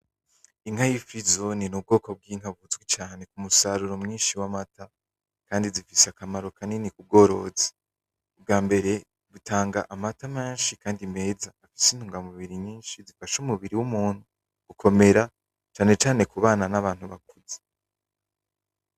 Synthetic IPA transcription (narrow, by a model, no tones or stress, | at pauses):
iŋ̥hajifizo̞ninub̚ɡo̞ːko̞b̚ɡiːŋ̥haβuzɡwet͡ʃaːne̞kumusaɾuɾo̞mŋiːnʃiwamata | kaːndizifiseakamaɾo̞kʰaninikub̚ɡo̞ːɾo̞̰ːze̥ | ub̚ɡaːmbe̞ɾe̞ | βutaːŋɡaʔamatame̞ːnʃikaːndime̞ːzaːfi̥sin̥huːŋɡamuβiɾiɲĩːnʃizifaʃumuβiɾiwumuːn̥hu | ɡ̥ukʰo̞me̞ɾa | t͡ʃaːne̞t͡ʃaːne̞kuβaːnanaβaːn̥huβakuze̥